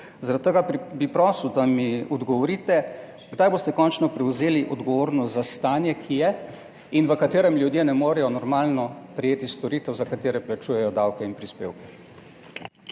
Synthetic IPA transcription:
zaɾat̪t̪ːəɡaɾbipɾɔswd̪amiɔd̪ɡɔʋɔɾiːt̪ɛ | ɡd̪ajboːst̪ɛkɔːnt͡ʃnɔpɾɛwzeːliʔɔd̪ɡɔʋoːɾnɔst̪zast̪aːnjɛkʰijɛ | inʋəkat̪eːɾɛmlʲjud̪jenɛmoːɾɛjɔnɔɾmaːlnɔpɾɛjeːt̪ist̪ɔɾiːt̪ɛwzakat̪eːɾɛplat͡ʃujɛjɔd̪awkɛinpɾispḛːwkɛ̥

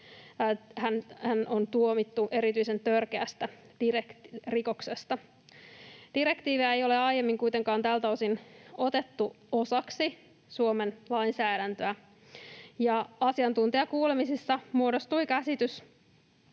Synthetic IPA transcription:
hænhænʔont̪uomit̪ːuʔe̞ɾit̪yise̞nt̪ørkeæst̪æd̥irekriko̞kse̞st̪ɑ | d̥iɾekt̪iːʋiæe̞jo̞le̞ɑije̞mːiŋkuit̪e̞ŋkɑːnt̪æːlt̪æosino̞t̪e̞t̪ːu | o̞sɑksi | suome̞nlɑinsæːɾænt̪øæ | jɑɑsiɑnt̪unt̪iɑkuːle̞misisːɑmuodost̪uikæsit̪ys

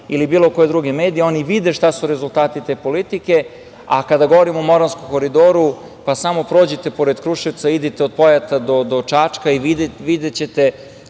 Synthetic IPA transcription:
ilibiːlˠo̞koje̞d̪ɾuɡe̞meːd̪ijeo̞niʋid̪eʃt̪asuɾe̞zulˠt̪aːt̪it̪e̞ːpo̞lit̪ike̞ | a̰kad̪aɡoʋoɾimomo̞ɾanskoko̞ɾid̪o̞ːɾu | pasamo̞pɾo̞ːd͡ʑet̪e̞po̞ɾed̪kɾuʃeʋt̪said̪it̪eo̞d̪̚po̞jat̪ad̪od̪ot͡ʃat͡ʃkaiʋiʋid̪et͡ɕe̞t̪e

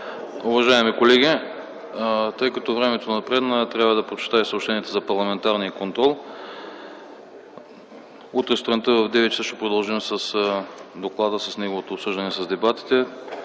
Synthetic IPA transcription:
ʊvɐʒaɛmikolɛɡʲi | t̪ɤjkɐt̪ɔvɾɛmɛt̪onɐpɾɛd̪nət̪ɾʲjabvɐd̪ɐpɾot͡ʃɛ̥t̪aisopʃt̪ɛniɛt̪ozɐpɐɾlˠɐmɛnt̪aɾnijəkont̪ɾɔlˠ | ut̪ɾɛst̪ɾɐnt̪əvɐvd̪ɛvɛt͡ʃsəʃt̪ɛpɾod̪ɐlˠʒimsɐsd̪oklˠad̪əsɐsnɛɡovot̪oːpsɤʒd̪ɐnɛsɐzd̪ɛbat̪i̥t̪ɛ

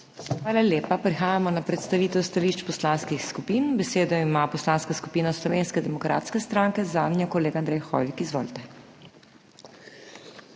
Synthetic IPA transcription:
xʋaːlaljeːpapɾixaːjamɔnapɾɛt̪st̪aʋiːt̪ɛwst̪aliːʃt͡ʃpɔslanskixskupiːnbɛseːd̪ɔimapɔslanskasku̥piːnaslɔʋeːnskɛd̪ɛmɔkɾa̰ːt̪skɛst̪ɾaŋkɛzaːmnjakɔleːɡand̪ɾɛjxɔ̰ːʋikizʋɔːlt̪ɛ

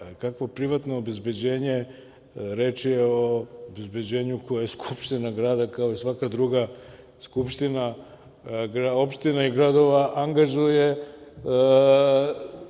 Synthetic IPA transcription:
kakʋo̞pɾiʋat̪no̞ːbe̞zbe̞d͡ʑe̞ːɲe̞ | ɾe̞ːt͡ʃijeoobezbe̞d͡ʑe̞ːɲuko̞jajeskʰu̥pʃt̪inaɡɾaːd̪akao̞isʋakad̪ɾuɡa | skupʃt̪ina | ɡɾao̞pʃt̪inaiɡɾad̪o̞ʋaʔaŋɡaʒuje̞

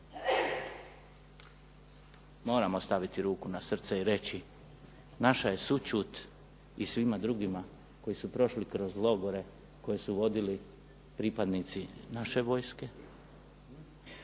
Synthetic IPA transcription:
mo̞ːɾamo̞st̪aʋit̪iɾuːkunasr̩t̪seiɾe̞t͡ɕi | naʃaje̞sut͡ʃut̪ | isʋimad̪ɾuɡima | ko̞jisupɾo̞ʃlikɾo̞zlˠo̞ɡoɾe̞ | ko̞jesuʋo̞d̪ili | pɾipad̪nit̪sinaʃe̞ʋo̞ːjske̞

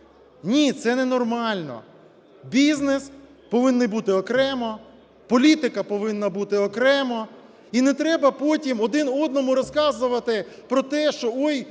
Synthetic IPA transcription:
nʲit̪sɛnɛnɔrmɑlʲnɔ̰ | bʲiznes | pɔʋɪnːɪbut̪ɪɔkɾɛmɔ | pɔlʲit̪ɪkɐpɔʋɪnːɐbut̪ɪɔkɾɛmɔ | inɛt̪ɾɛbɐpɔtʲimɔd̪ɪnɔd̪nɔmʊɾɔskɑzʊʋɐt̪ɪpɾɔt̪ɛʃt͡ʃɔɔj

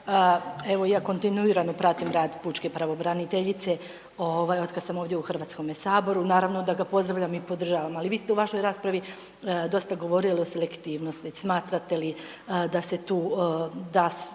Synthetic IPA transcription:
əe̞ʋo̞jaːko̞nt̪inuiːɾanopɾat̪imɾaːd̪put͡ʃkepɾaʋo̞bɾanit̪eʎit̪se | oʋaːjo̞t̪kad̪samoːʋd̪ʲjeuxr̩ʋat̪sko̞mesaːbo̞ɾunaːɾaʋno̞d̪aɡapo̞zd̪ɾaʋʎamipo̞d̪r̩ʒaːʋamaliʋiːst̪e̞uʋaʃo̞jɾaːspɾaʋi | d̪o̞st̪aɡo̞ʋo̞ɾilio̞se̞lekt̪iːʋno̞st̪ismaːt̪ɾat̪e̞li | d̪ase̞t̪uːd̪as

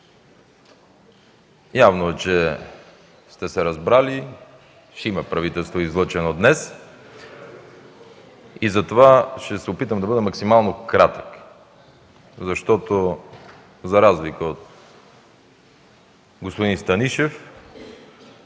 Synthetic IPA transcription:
javnoɛt͡ʃɛ | st̪ɛsɛɾɐzbɾali | ʃɛimɐpɾɐvit̪ɛlˠst̪voizlˠɤt͡ʃɛnod̪nɛs | izɐt̪ovaʃt̪ɛsɛopit̪əmd̪ɐbəd̪ɛmɐksimalˠnokɾat̪ə̥k | zɐʃt̪ɔt̪o | zɐɾazlikəot̪ | ɡospod̪inst̪ɐniʃɛf

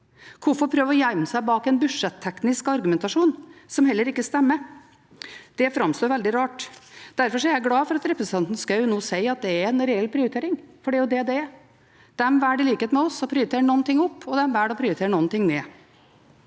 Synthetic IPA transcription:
kʰʊɾfɔɾpʰɾøːʋəɾɔjæɪməsæɪbɑːkɛnbʉʂɛt̪ʰːɛknɪskɑɾɡʉmɛnt̪ɑʂuːnsɔmɦɛlːəɾɪkːəst̪ɛmːə | d̪̥ɛfɾɑmst̪oːɾʋɛld̪ɪɾɑːʈd̪̥æɾfɔʂɔɛɾjæɪɡlɑːfɔɾɑt̪ɾɛpɾəsənt̪ɑnt̪n̩skɑʉʊnoːsæɪɑt̪̚d̪ɛæɾɛnɾɛɛlːpʰɾɪʊɾɪt̪eːɾɪŋfɔɖɛæjʊd̪ɛd̪ɛ | d̪̥ɛmʋæːɖɪliːkəhɛt̪mɛɔsɔpʰɾɪɾt̪eːɾəɳɔnt̪ɪŋːɔpːɔd̪ɛmʋæːɖɔpʰɾɪʊɾɪt̪ʰeːɾɳɔnt̪ɪŋneː

